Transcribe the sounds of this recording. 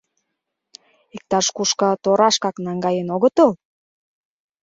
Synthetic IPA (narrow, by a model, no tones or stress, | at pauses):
ik̚t̪ɑʃkuʃkɑ̆t̪oɾɑʃkɑknɑŋɡɑjənoɣət̪əl